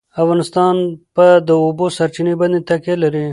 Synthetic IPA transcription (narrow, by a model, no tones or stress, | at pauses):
afɣɑnɪst̪ɑnpad̪əobosaɾt͡ʃineband̪et̪akelaɾi